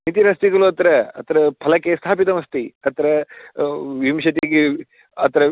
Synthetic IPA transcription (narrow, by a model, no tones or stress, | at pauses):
nit̪iɾɐst̪iɣɐluɐt̪ɐɾɐɐ̰t̪ɐɾɐpʰɐlɐkːest̪ʰaːpit̪ɐmɐst̪iɐt̪ɐɾɐ | ʋimʃɐt̪̬iɡi | ɐt̪ɐɾɐ